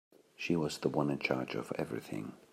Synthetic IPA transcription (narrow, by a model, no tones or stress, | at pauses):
ʃiwʌzðəwʌ̃nɨ̃nt͡ʃʰɑɹd͡ʒʌ̰vɛ̰vɹḭθɪ̰̃ŋ